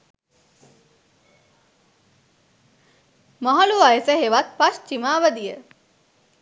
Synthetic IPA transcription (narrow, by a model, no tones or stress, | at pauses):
maɦaluʋajəsəɦeʋat̪̚past͡ʃimaːʋəd̪ijə